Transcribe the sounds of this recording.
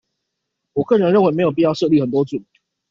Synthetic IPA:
wɔ˨˩kɤ˥˩ɻə˧nɻə˥˩nwe˥me˧˥jo˨˩p̬i˥˧jɑ˥˧ʊʂɤ˥˧li˥˩xə˨˩nt̪wɔ˦˥t͡su˨˩n

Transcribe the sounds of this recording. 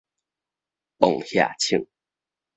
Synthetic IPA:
po˥˨ŋhja̰˥˧˩t͡ɕʰi˥˩˦ŋ

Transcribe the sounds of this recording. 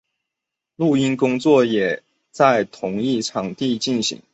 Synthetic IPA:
lu˥˩i˥nkʊ˥ŋt͡swɔ˥˩jɛ˨˩ | t͡sa˥˩ɪt̪ʰʊ˧˥ŋi˥˩ʈ͡ʂʰɑ˨˩˥ŋt̪i˥˧t͡ɕi˥˩nɕḭ˧˥˦ŋ

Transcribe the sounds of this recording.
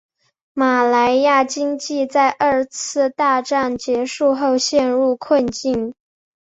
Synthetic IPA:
ma˨˩la˧˥ɪja˥˩t͡ɕi˥ŋt͡ɕi˥˧t͡sa˥˧ɪʔə˞˥˩˧t͡sʰɹ̩˥˧t̪a˥˧ʈ͡ʂa˥˩nt͡ɕjɛ˧˥ʂu˥˧xo˥˧ʊɕjɛ˥˧nɻu˥˧kʰwə˥˧nt͡ɕi˥˩n

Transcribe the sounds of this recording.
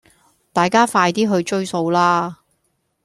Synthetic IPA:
t̪aː˨jkaː˥faː˧jt̪iː˥ɦɵ˧ɥt͡ʃɵ˥ɥso˧wlaː˥

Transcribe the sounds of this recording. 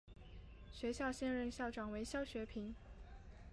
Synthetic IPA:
ɕɥɛ˧˥ɕjɑ˥˧ʊɕjɛ˥˧nɻə˥˧nɕjɑ˥˩ʊʈ͡ʂɑ˨˩ŋwe˧˥ɪɕjɑ˥˩ʊɕɥɛ˧˥pʰi˧˥n

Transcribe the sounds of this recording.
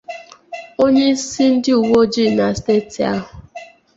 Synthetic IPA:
o˦ɲe˦i˦si˦n̩˦dɪ˦u˨wo˦d͡ʒi˦˨na˨ste˦˨ti˨a̰˦ɦʊ˨

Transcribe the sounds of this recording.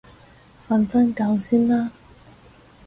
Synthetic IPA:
fɐ˧nsɐ˥nka˧wsiː˥nlaː˥

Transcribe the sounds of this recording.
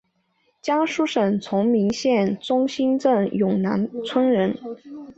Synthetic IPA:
t͡ɕjɑ˥ŋʂu˥ʂə˨˩nt͡sʰʊ˧˥ŋmi˧˥ŋɕjɛ˥˩nt͡sʊ˥ŋɕi˥nʈ͡ʂə˥˩ŋjʊ˨˩ŋna˧˥nt͡sʰwə˥nɻə˧˥n

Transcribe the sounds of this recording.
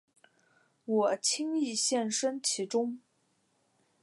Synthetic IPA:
wɔ˨˩t͡ɕʰi˥ŋi˥˧ɕjɛ˥˩nʂə˥nt͡ɕʰi˧˥ʈ͡ʂʊ˥ŋ

